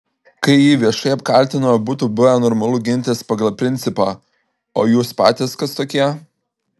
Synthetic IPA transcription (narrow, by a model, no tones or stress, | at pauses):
kɐɪjiːʋʲiɛʃɐɪɐpkɐlʲˑt̪ʲɪnɐɐbuːt̪ubʊʋʲɛnɔːɾmɐlˠʊːɡʲɪnʲt̪ʲeːspɐɡɐlˠpʲɾʲɪnʲt̪sʲɪpɑː | oːjuːspɑ̰ːt̪ʲɪːskɐst̪oːkʲiɛ